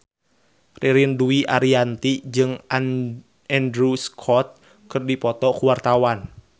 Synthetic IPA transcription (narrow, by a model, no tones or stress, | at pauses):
rʔiɾinduiʔaɾiant̪id͡ʒɨŋ | ɛndɾuskʰɔt̪̚ | kɨrdipɔt̪ɔkuwart̪awan